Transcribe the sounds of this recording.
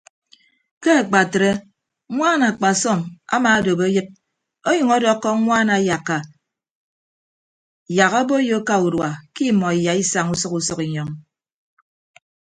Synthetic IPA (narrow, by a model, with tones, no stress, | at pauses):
ke˦a˨k͡pa˨tɾe˦ | ŋʷaː˦na˨k͡pa˨sɔ˦˨ma̰˦maː˨˦do˨be˦jɨ˦p̚ | o˦jʌ˨ŋɔ˦dɔ˦kːɔ˦ŋʷaː˦na˨ja˨kːa˨ | ja˨ɣa˦bo˦jo˦ka˦u˨dwa˨ki˦mɔ˨i˨ja˨i˦sa˨ŋu˦sɔ˦ku˦sɔ˦ki˨ɲɔ˨ŋ